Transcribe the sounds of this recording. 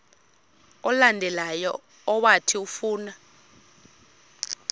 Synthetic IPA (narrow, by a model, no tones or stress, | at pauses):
ɔlandʱɛlajɔ̰ː | watʰiufuːna